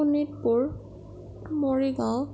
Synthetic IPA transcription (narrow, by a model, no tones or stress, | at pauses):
unit̚pʊɹ | moɹiɡaʊ